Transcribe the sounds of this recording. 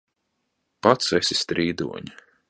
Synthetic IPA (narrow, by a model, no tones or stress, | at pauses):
pat̪sɛsʲi̥st̪ɾiːd̪ṵɔɲi